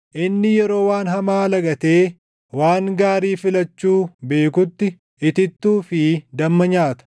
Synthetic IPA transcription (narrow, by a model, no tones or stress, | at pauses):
ʔɪnːɪjɛɾo̞ːwaːnɦɐmaːlɐɡɐt̪e̞ː | waːŋɡaːɾiːfɪlɐt͡ʃːuːbe̞ːkʊt̪ːɪ | ɪt̪ɪt̪ːuːfɪd̪ɐmːɐɲaːt̪ɐ̥